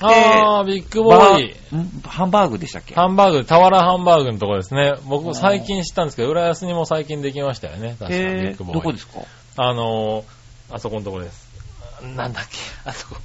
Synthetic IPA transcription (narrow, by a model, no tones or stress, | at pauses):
aːbʲikːɯ̟boĩ | hãmbaːɡɯ̟d̪eɕt̪akʲːehãmbaːɡɯ̟t̪ːet̪aβaɾahãmbaːɡɯ̟not̪o̞kod̪e̞sɨne̞bo̞kɯ̟saikʲĩɰ̃ɕi̥t̪ːãnd̪sɨ̥keoɯ̟ɾajasɨɲ̟imo̞saikʲĩnd̪e̞kʲimaɕi̥t̪a̰jo̰ne̞t̪aɕikabʲikːɯ̟bod̪oːiod̪eska̰ | ano̞ | aso̞ko̞not̪o̞kod̪esɨ̥nãnd̪akʲːe̥aso̥ko